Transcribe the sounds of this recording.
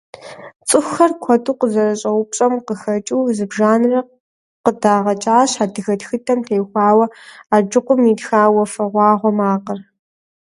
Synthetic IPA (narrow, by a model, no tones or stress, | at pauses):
t͡sʼɨxʷxɐrkʷʰɔtʰuːqəzɐrɐɕʼɐwʷʊp̚ʼɕʼɐmqəxɐt͡ʃʼuːzɨbʒaːnɨrɐ | qədaːʁɐt͡ʃʼaːɕaːdɨɣɐtxɨtʰɐmtʰeːxʷɑːwɐaːd͡ʒɨqʷʊmidxaːwɐfɐʁʷɑːʁʷɔmaːqɐr